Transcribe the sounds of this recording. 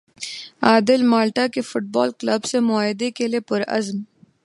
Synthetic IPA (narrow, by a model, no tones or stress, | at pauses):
aːd̪ɪlmaːlʈakefʊʈ̚baːlklɐbsemʊaːɪd̪ekelepʊɾɐ̰zm